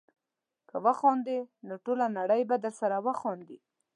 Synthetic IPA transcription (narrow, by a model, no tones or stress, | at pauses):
kəwəxɑnd̪enoʈolanaɽəjbad̪əɾsaɾawəxɑnd̪i